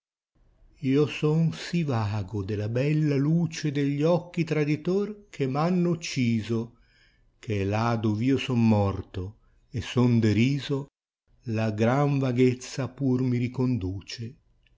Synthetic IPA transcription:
iːosɔnsivaːɡod̪elabɛlːaluːt͡ʃed̪eʎːɔkːit̪ɾad̪it̪ork̟ʰemanːut͡ʃːiːzo | kʰelad̪oviːosɔnmɔrt̪o | esɔnd̪eɾiːzo | laɡɾaɱvaɡet̪sːapurmiɾikond̪uːt͡ʃe

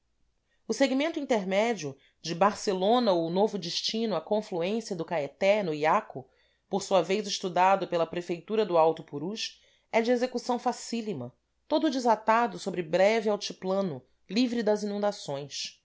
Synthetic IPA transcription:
ʊseɡimẽnt̪ʊĩnt̪eɾmɛd͡ʒiʊ | d͡ʒɪbaɾselõnɐonovʊd͡ʒɪʃt͡ʃĩnʊakõfluẽsiɐd̪ʊkaet̪ɛnʊiakʊ | poɾsuɐvejzɪʃt̪ud̪ad̪ʊpelɐpɾefejt̪uɾɐd̪ʊawt̪ʊpuɾuʃ | ɛd͡ʒɪezekusɐ̃w̃fasilimɐ | t̪od̪ʊd͡ʒɪzat̪ad̪ʊsobɾɪbɾɛvɪawt͡ʃiplɐ̃nʊ | livɾid̪ɐzinũnd̪asõj̃s

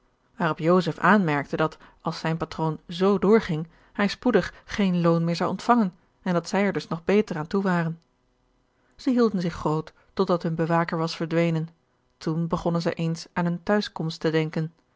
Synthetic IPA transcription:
ʋaːrɔpjowzəfaːnmɛɹk̚tədɑt | ɑlˠsɛjnpatrownzowdʊːɹχɪŋ | hɛjspudəχːejnlownmɪːɹzɑwʔɔntfɑŋən | ɛndɑtsɛjɛɹdɵsnɔχbejtəraːntuʋaːrən | z̥əɦilˠdənzɪχrowtː | ɔdɑtɦɵnbəʋaːkəɹʋɑsfəɹdʋejnən | tunbəχɔnənzɛ̰jʔejnsaːnɦəntœɥskɔmstədɛŋkən

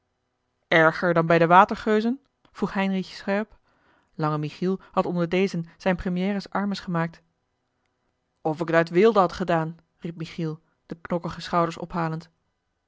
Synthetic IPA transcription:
ɛɹχəɹdɑnbɛjdəʋaːtəɹχøɥzən | v̥ruχɦɛjnrixsχɛɹp | lɑŋəmiχilˠhɑtɔndəɹdejzənz̥ɛjnprəmijɛːrəsɑɹməsχəmaːk̚t | ɔfɪkətatʋɪlˠdəɦɑtχədaːn | rip̚miχilˠ | d̥əknɔkəχəsχɑwdəɹsɔ̰pɦaːlənt

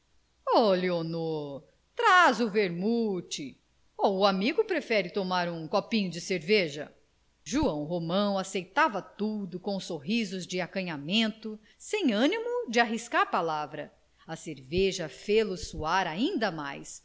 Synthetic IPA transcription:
ɔleonoɾ | t̪ɾazʊveɾmut͡ʃɪ | oʊamiɡʊpɾefɛɾɪt̪omaɾũkopĩɲʊd͡ʒɪseɾveʒɐ̰ | ʒuɐ̃w̃ɦomɐ̃w̃asejt̪avɐt̪ud̪ʊkõsoɦizʊzd͡ʒɪakɐ̃ɲamẽnt̪ʊ | sẽj̃ɐ̃nimʊd͡ʒɪaɦiskaɾpalavɾɐ | ɐseɾveʒɐfelʊsuaɾaĩnd̪ɐma̰js

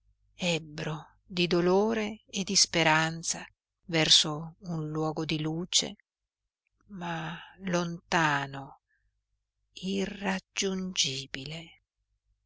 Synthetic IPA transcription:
ɛbːɾo | d̪id̪oloːɾeːd̪ispeɾant̪sa | vɛrsounlwɔːɡod̪iluːt͡ʃḛ | malont̪aːno | irːad͡ʒund͡ʒiːbile

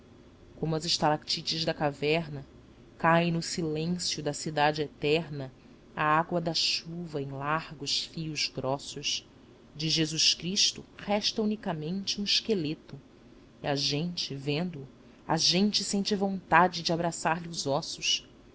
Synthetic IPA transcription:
kõmʊɐzɪʃt̪alakt͡ʃit͡ʃɪʒd̪ɐkavɛɾnɐ | kaẽnʊsilẽsjʊd̪ɐsid̪ad͡ʒɪet̪ɛɾnɐ | aaɡwɐd̪ɐʃuvɐẽj̃laɾɡʊʃfiʊzɡɾʔɔsʊʃ | d͡ʒɪʒezuʃkɾiʃt̪ʊhɛʃt̪ɐunikɐmẽnt͡ʃɪũɪʃkelet̪ʊ | iɐʒẽnt͡ʃɪvẽnd̪ʊː | ɐ̰ʒẽnt͡ʃɪsẽnt͡ʃɪvõnt̪ad͡ʒɪd͡ʒɪabɾasaɾlɪʊzɔsʊʃ

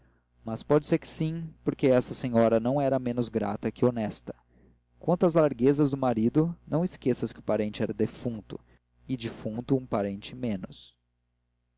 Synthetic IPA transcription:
mɐspɔd͡ʒɪseɾkɪ̥sĩpoɾkeɛsɐsẽɲɔɾɐnɐ̃w̃ɛɾɐmẽnʊzɡɾa̰t̪ɐkɪonɛst̪ɐ̥ | kwɐ̃t̪ɐzlaɾɡezɐzd̪ʊmaɾid̪ʊnɐ̃w̃ɪskesɐskʲɪʊpaɾẽnt͡ʃɪɛɾɐd̪efũnt̪ʊ̰ | ɪd͡ʒifũt̪ʊũpaɾẽnt͡ʃɪmẽnʊs

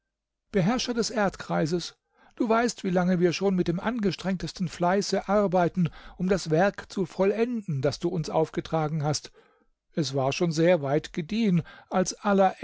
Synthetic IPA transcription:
b̥əɦɛɐʃɐdɛsʔeɐtkʁ̥aɪzəs | d̥uːvaɪstv̥iːlaŋəviːɐʃoːnmɪt̚d̥eːmʔa̰nɡəʃtʁ̥ɛŋtəstn̩flaɪsəʔaʁbaɪtn̩ʔʊmdasv̥ɛɐkt͡sufɔlɛndn̩d̥asd̥uːʊnsʔa̰ʊfɡ̥ətʁ̥aːɡŋ̩ɦast | ʔɛsv̥aːɐʃoːnzeːɐvaɪtɡ̥ədiːənʔalsʔalɐ

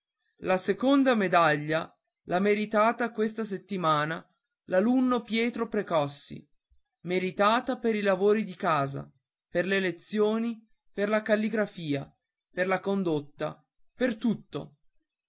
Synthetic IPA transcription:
lasekond̪amed̪aʎːa | lameɾit̪aːt̪akwest̪as̬et̪ːimaːna | lalunːopjɛːt̪ɾopɾekɔsːḭ | meɾit̪aːt̪apeɾilavoːɾid̪ikaːza̰ | perlelet̪sːjoːni | perlakalːiɡɾafiːa | perlakond̪ot̪ːa̰ | pert̪ut̪ːo̰

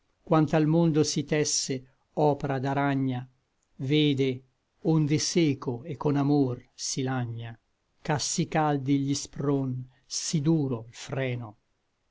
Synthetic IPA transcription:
kwant̪almond̪osit̪ɛsːe | ɔːpeɾad̪aɾaɲːa | veːd̪e | ond̪eseːkoekːonamorsilaɲːa | kasːikald̪iʎispɾon | sid̪uːɾoilfɾɛːno

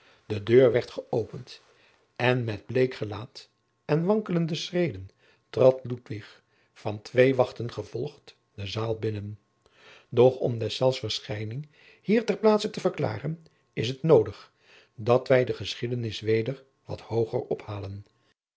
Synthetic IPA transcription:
dədøːɹʋɛɹtχəʔowpənt | ɛnmɛd̚blejkχəlaːt | ɛnʋɑŋkələndəsrejdən | trɑtlutʋɪχ | fɑntʋejʋɑχtənχəv̥ɔlˠχt | dəzaːlˠbɪnən | dɔχɔ̰mdɛsɛlˠfsfəɹsχɛjnɪŋ | hiːɹtɛɹplaːtsətəvəɹkla̰ːrən | ɪsətnowdəχ | dɑtʋɛjdəχəsχidənɪsʋejdəɹ | ʋɑ̰thowχə̰rɔphaːlən

